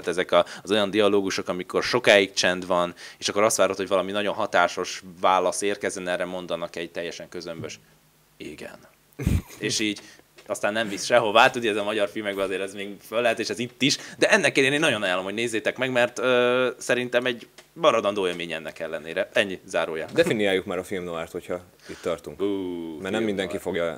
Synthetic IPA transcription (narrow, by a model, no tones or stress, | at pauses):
at̪ɛzɛkɒzo̞jɒnd̪iɒloːɡuʃo̞kɒmiko̞rʃo̞kaːjik̚t͡ʃɛnd̪ʋɒneːʃɒkːoɾɒst̪ʋaːɾot̪ho̞ɟvɒlɒminɒɟo̞nɦɒt̪aːʃo̞ʃvaːlːɒseːrkɛzɛnɛrːɛmo̞nd̪ɒnɒkɛɟ̚t̪ɛjːɛʃɛŋkøzømbøʃ | iɡɛ̰n | eːʃiːɟ | ɒst̪aːnːɛɱvisʃɛɦo̞vaːt̪ud̪iɛzɒmɒɟɒrfilmɛɡbɛɒzeːɾɛzmeːɡfølːɛɦɛt̪eːʃɛzit̪ːiʃd̪ɛɛnːɛkːeːleːneːnːɒɟo̞nɒjaːlːo̞mhoɟneːzːeːt̪ɛkmɛɡmɛrt̪øsɛɾint̪ɛmɛɟmɒɾɒd̪ɒnd̪oːeːlmeːɲɛnːɛkɛlːɛnḛːɾɛɛɲːizaːɾoːjaːd̪ɛfinijaːjːukmaːɾɒfilmnoart̪ho̞cʰhɒ | it̪ːɒrt̪uŋkuːmɛrnɛmːind̪ɛŋkifo̞ɡjɒ